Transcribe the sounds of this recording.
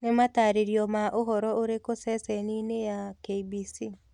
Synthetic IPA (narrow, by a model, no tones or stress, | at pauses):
nemataɾeɾijɔmaʔoɦɔɾɔoɾekosɛsɛninejakeibisi